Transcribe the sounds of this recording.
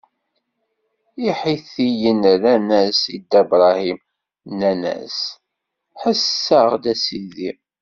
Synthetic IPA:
iħiθijənɾænæsid̪æbɾˤɑhim | nːænæ̰s | ħəsːəʁd̪æsiði

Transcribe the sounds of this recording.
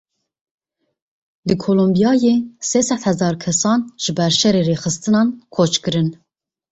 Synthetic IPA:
d̪ɨkʰoːlombijɑːjeseːsɛt̪hɛzɑːɾkʰɛsɑːnʒ̥ɨbæɾʃɛɾeːɾeːxɨst̪ɨnɑːnkʰot͡ʃkɨɾɨn

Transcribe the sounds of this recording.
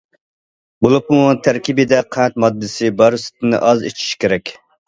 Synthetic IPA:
bolˠupmut̪ʰæɾkʲibɪd̪ɛqʰænt̪̚mɑd̪ːɪsɪbɑɾsɪ̥t̪ʰɪnɪ̰ʔɑzḛt͡ʃʰi̥ʃkʲeɾɛkʲ

